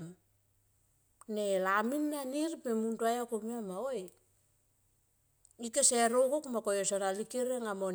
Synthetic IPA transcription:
m | nelaminːaniɾpemuntuajakomiamaoj | ikeseɾokokmakojosoɾalikeɾeŋamon

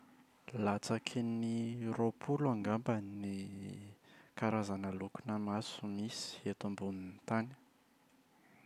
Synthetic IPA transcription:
lat͡sakʰiniropʰulaŋɡambəni | kaɾazanəlukunəmasumisi̥et̪umbunint̪ani̥

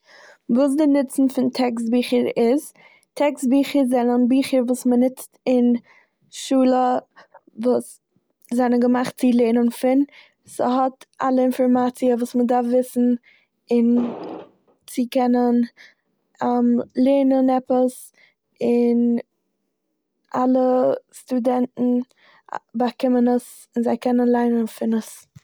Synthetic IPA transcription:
vuːs̬dɪnɪt͡sn̩fɪntʰɛkstbiːχəɾɪz | tʰɛkstbiːχəɾzɛnənbiːχəɾvuːsmənɪt͡stɪn | ʃuːlˠə | vuːs | zɛnənɡəmaχt̚t͡sɪlˠenənfɪn | səɦɔta̰lˠəɪnfɔɾmat͡siəvuːsmədaɾfvɪsn̩ | ɪn | t͡sɪkɛnən | amlˠeːnənɛpəs | ɪn | alˠəstudɛntn̩ | bakɪmənəs | ɪnzaɪkʰɛnənlˠaɪnənfɪnəs

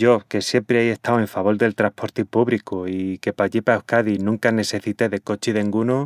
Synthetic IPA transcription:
ʝo̞ke̞sje̞mpɾeaje̞st̪awe̞ɱfaβ̞o̞ld̪e̞lt̪ɾahpo̞ɾt̪ipuβɾikuike̞paʎipaehkaðinũŋkane̞se̞θit̪eðe̞ko̞t͡ʃiðeŋɡuno

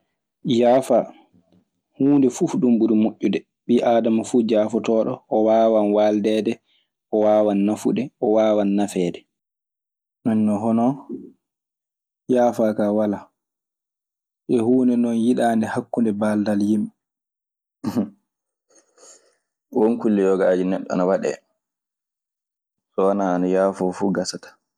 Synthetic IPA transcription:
jaːfa | huːndɛfufɗumbuɾimoʔːudɛ | ɓiʔaːdamafuːd͡ʒaːfɔtɔːɗɔːwaːwanwaːldɛːdɛ | ʔɔwaːwanːafuɗɛʔɔwaːwanːafɛːdɛ | nanːɔɦɔnɔ | jaːfaːkawala | ʔɛhuːnɛnɔnjiɗaːndɛhakːundɛbaːldaljim | wonkulːɛjɔɡaad͡ʒinɛɗːɔa̰nawaɗɛ̰ | sɔanaːnajaːfɔfuːɡasatḁ

